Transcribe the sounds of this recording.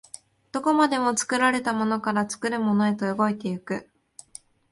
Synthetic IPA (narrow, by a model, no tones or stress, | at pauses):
d̪̥o̞ko̞mad̪e̞mo̞t͡sɨ̥kɯ̟ɾaɾe̞t̪amo̞no̞kaɾat͡sɨ̥kɯ̟ɾɯ̟mo̞no̞e̞t̪o̞joɡo̞it̪e̞jɯkɯ̟